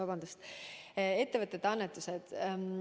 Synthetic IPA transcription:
ɑbɑnd̪̥ust̪ | e̞t̪ːe̞vɤt̪ːˑet̪ːɑnːet̪ːˑused̪̥

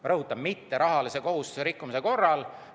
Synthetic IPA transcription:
rɤɦut̪ːˑɑbmit̪ːe̞ɾɑɦɑlise̞ko̞ɦust̪u̥se̞ɾikːumise̞ko̞rːɑl

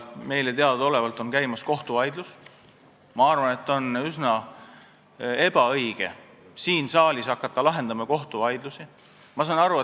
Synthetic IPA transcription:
me̞jlet̪e̞ɑd̪ɑd̪o̞le̞vɑlt̪ːˑo̞nkæjmɑsko̞ht̪uvɑjd̪lus | mɑɑrvɑne̞t̪ːonysnɑ | e̞b̥ɑɤjɡ̥e̞̰ | siːnsɑːlʲisɑkːˑɑt̪ːɑlɑɦe̞nd̪ɑmɑko̞ht̪uvɑjd̪̥lusi | mɑsɑːnɑɾue

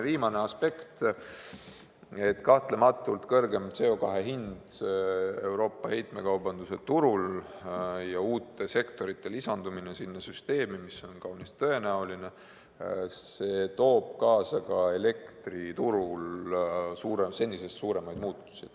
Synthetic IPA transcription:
viːmɑne̞ɑspe̞kt̪ | e̞t̪ːkɑht̪le̞mɑt̪ːˑult̪kɤ̞rɡe̞mt̪se̞o̞kɑɦe̞ɦind̪̥see̞wɾo̞ːpːˑɑhe̞jt̪me̞kɑwbɑnd̪use̞t̪uɾul | jɑuːt̪ːˑe̞se̞kt̪o̞ɾit̪ːˑe̞lisɑnd̪uminesinːɑsyst̪e̞ːmimiso̞nkɑwnist̪ɤ̞e̞næuline̞ | se̞t̪o̞ːb̥̚kɑːsɑkɑe̞le̞kt̪rit̪uɾul | suːɾese̞nʲːise̞st̪suːɾe̞mɑjd̪muːt̪ːˑu̥sid̪̥

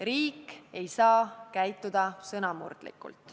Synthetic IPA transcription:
riːke̞jsɑːkæjt̪ːˑud̪̥ɑsɤnɑmṵrd̪̥lḭkːˑṵlt̪ːˑ

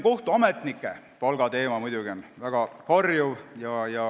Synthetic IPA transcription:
ko̞ht̪uɑmet̪ˑnikːˑe | pɑlɡ̥ɑt̪e̞ːmɑmujd̪̥ʲuɡ̥ionvæɡ̥ɑkɑrjuvjɑjɑ

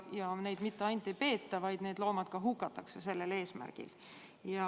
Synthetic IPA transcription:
jɑne̞jd̪mit̪ːeɑjnt̪ˑːejpe̞ːt̪ːɑvɑjd̪̥neːd̪lo̞ːmɑd̪̥̚kɑɦukːˑɑt̪ːˑɑkse̞se̞lːe̞le̞ːsmæ̰rɡ̥ḭl | jɑ

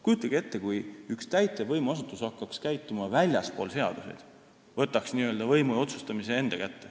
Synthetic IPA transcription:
kujut̪ːˑɑɡ̥ie̞t̪ːe̞kujykst̪æjt̪levɤjmuɑs̬ut̪ːˑusɑkːˑɑkskæjt̪ːˑumɑvælʲjɑspo̞̰ːlse̞ɑ̰d̪̥use̞̰jd̪̥ | vɤ̞t̪ːˑɑksniːøld̪ɑvɤjmuo̞t̪su̥st̪ɑmise̞e̞nd̪̥ɑkæt̪ːe̞

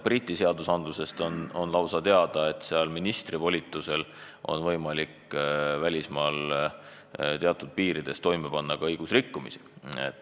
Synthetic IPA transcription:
b̥rit̪ʲːˑise̞ɑd̪usɑnd̪luse̞st̪ononlɑwsɑt̪e̞ɑd̪̥ɑe̞t̪ːˑseɑlminist̪rivo̞lʲit̪ːˑuse̞l | ʔo̞̰nvɤ̞jmɑlʲikvælʲismɑːl | t̪eɑt̪ːˑud̪̥̚piːɾid̪̥e̞st̪o̞jmepɑnːɑkɑɤjɡ̥usrikːumḭsi̥ḛt̪ːˑ

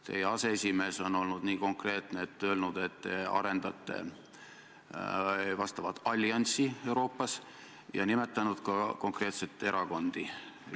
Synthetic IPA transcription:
t̪e̞̰jeɑse̞esʲime̞ːso̞no̞lnud̪̥niːko̞ŋkre̞ːt̪neːt̪ːø̞ːlnud̪̥e̞t̪ːeɑ̰ɾe̞nd̪̥ɑt̪ːˑe̞̰ | vɑst̪ɑvɑt̪ːˑɑlʲːjɑnʲsie̞wɾo̞ːpːˑɑs | jɑ̰nime̞t̪ːˑɑnud̪̥kɑko̞ŋkre̞ːt̪se̞t̪ˑːe̞ɾɑko̞nd̪̥i

